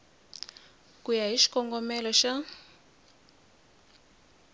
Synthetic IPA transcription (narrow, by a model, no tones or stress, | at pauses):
kujaɦiʃi̥kɔŋɡɔmɛlɔʃa